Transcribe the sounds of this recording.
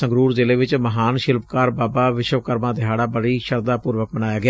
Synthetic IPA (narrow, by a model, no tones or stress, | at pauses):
ə̃ŋɡɾuːɾzɪleːʋɪt͡ʃməɦaːnʃɪlpkaːɾbaːbaːʋɪʃʋkəɾmãːd̪ɪɦaːɽaːbəɽiːʃəɾd̪aːpuːɾʋək̚mənaːjaːɡɪː